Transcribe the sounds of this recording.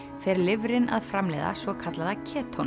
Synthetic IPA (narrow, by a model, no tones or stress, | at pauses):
fɛɾlɪvɾɪna̰ðfɾamlɛ̰ða̰svɔkʰat̪laðacʰɛːt̪ʰon